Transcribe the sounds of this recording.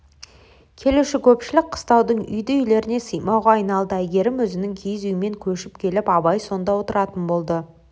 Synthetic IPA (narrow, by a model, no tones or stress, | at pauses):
kʲʰe̞luʃɪkʲʰɵpʃɪlɪk̚qʰə̥st̪ɑwd̪əɴʏ̰jd̪ɪʏjle̞ɾɪne̞səjmɑwʁɑɑjnɑlˠd̪əæɡʲe̞ɾɪmwɵzɪnɪŋkʲʰijzyjɪme̞ŋkʲʰɵʃɪp̚kʲʰe̞lɪpɑbɑjso̞nd̪ɑwo̞t̪əɾɑt̪ənbo̞lˠd̪ə